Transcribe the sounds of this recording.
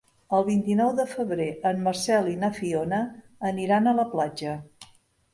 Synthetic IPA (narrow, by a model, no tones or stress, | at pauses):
əlˠβint̪inɔwðəfəβɾeəmːərsɛlinəfionəː | niɾanələplad͡ʒə